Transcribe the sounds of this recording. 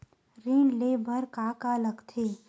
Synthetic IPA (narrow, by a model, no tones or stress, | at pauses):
ɾiːnleːbʱəɾkaːkaləɡt̪ʰeː